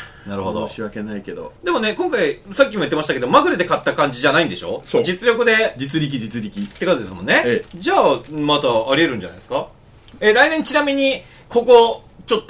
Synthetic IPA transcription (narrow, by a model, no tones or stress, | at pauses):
naɾɯ̟hod̪ooɕiβake̞naike̞d̪o̰d̪e̞mo̞ne̞kõ̞ŋkaisak̬ʲːimo̞it̪ːemaɕi̥t̪aked̪omaɡɯ̟ɾed̪e̞kat̪ːakãɲ̟d͡ʑiʑanaĩnd̪e̞ɕo̞̰ːsod͡ʑit͡sɨɾʲo̞kɯ̟d̪e̞d͡ʑit͡sɨɾʲik̬ʲid͡ʑit͡sɨɾʲikʲit̪ːe̞kat̪od̪esɨmõ̞nːe̞d͡ʑaːmat̪aːɾʲie̞ɾɯ̟̃ɲd͡ʑana̰id̪eska | eɾainẽɲt͡ɕinamʲiɲ̟i | kʰo̞ko̞ | t͡ɕo̞t̪ː